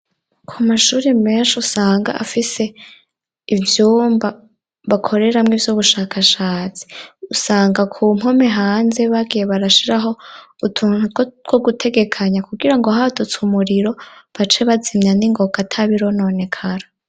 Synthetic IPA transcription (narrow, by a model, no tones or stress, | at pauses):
kʰumaʃuːɾime̞ːnʃusaːŋɡa̰ʔa̰fise̞ | ivjuːmba | βakʰo̞ɾe̞ɾamŋiːvjuβuʃaːkʰaʃaːt͡si̥usaːŋɡakʰum̥ho̞me̞ɦaːnze̞βaɡije̞βaɾaʃiɾaɦo̞ | utʰunuɡwoɡutʰe̞ɡe̞kʰaɲakuɡiɾaŋɡoɦatʰot͡sumuɾiɾo̞βat͡ʃe̞βazimɲaniŋɡo̞ɡatʰaβiɾo̞no̞ne̞kʰaɾa